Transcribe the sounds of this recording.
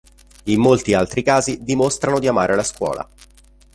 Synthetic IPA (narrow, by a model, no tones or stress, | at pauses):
imːolt̪ialt̪ɾikaːzid̪imost̪ɾanod̪iamaːɾʔelaskwɔ̰ːla̰